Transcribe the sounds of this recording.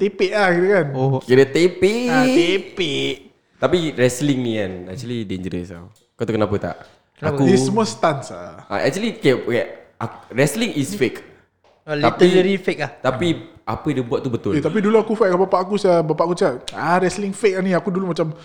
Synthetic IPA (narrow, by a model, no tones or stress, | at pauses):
t̪epeʔlahkit̪ukankiɾət̪epiepeʔ | t̪apiɾɛsliŋnikanɛ̰k̚t͡ʃulideɲd͡ʒəɾə̰sa̰w | kat̪ukənapət̪a̰ʔ | akudessəmuast̪ansa̰a̰ʔɛ̰k̚t͡ʃualikajakaʔaɾɛsliŋisfek | t̪apiəɾifek̚aht̪apiapədiəbuat̪̚ːubət̪ʊlet̪ap̬iduluakufɛʔk̚abapaʔakusabapaʔakusaʔaɾɛsliŋfek̚aniakudulumat͡ʃam